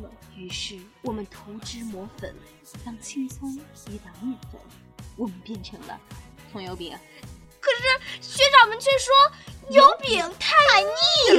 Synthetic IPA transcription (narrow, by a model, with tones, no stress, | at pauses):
y˧˥ʂɻ̩˥˩wɔ˨˩mə˦nt̪ʰo˧˥ʊʈ͡ʂɻ̩˥mwɔ˧˥fə̰˨˩˦n | lɑ˥˧ŋt͡ɕʰi˥˩nsʊ˥ŋi˧˥t̪a˨˧˩mu˥˩xʊ̰˧˩˦ | wɔ˨˩mə˦npjɛ˥˩nʈ͡ʂʰɤ˧˥ŋlə̰˧ | t͡sʰʊ˧˥ŋjo˧˥ʊpḭ˨˩ŋ˦ | kʰɤ˨˩ʂɻ̩˥˩ɕɥɛ˧˥ʈ͡ʂɑ˨˩ʊmə˧˦nt͡ɕʰɥɛ˥˩ʂwɔ˥jo˧˥ʊpi˨˩ŋt̪ʰa˥˩ɪa˧˥i˥˩˧